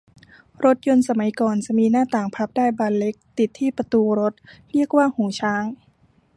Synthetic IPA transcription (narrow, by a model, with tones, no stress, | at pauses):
ɾo˦˥t̪̚jo˧nsa˧ma˩˦jkɔː˨˩nt͡ɕa˨˩miː˧naː˥˩t̪aː˨˩ŋpʰa˦˥p̚daː˥˩jbaː˧nle˦˥k̚t̪i˨˩t̪ʰːiː˥˩pɾa˧t̪uː˧ɾo˦˥t̪̚ɾi˥˩ək̚waː˥˩huː˩˦t͡ɕʰaː˦˥ŋ